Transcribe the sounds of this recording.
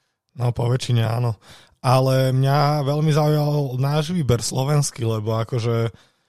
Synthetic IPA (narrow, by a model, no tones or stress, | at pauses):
nɔpɔʋɛt͡ʃiɲɛa̰ːnɔ | ʔalɛmɲaʋɛʎmizaujalnaːʒʋiːbɛɾslɔʋɛnskilɛbɔakɔʒɛ